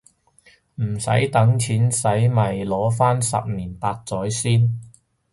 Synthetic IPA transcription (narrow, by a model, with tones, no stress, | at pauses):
m̩˨˩sɐ̰˨˥jt̪ɐ˨˥ŋt͡sʰiː˨˥nsɐ˨˥jmɐ˨˩jlɔː˨˥faː˥nsɐ̰˨p̚niː˨˩npaː˧t̚t͡sɔː˨˥jsiː˥n